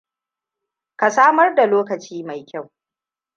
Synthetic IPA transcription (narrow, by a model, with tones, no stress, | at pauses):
ka˨saː˦mɐ˦rda˨loː˦kɐ˨t͡ʃiː˦ma˨jkʲa˦˨w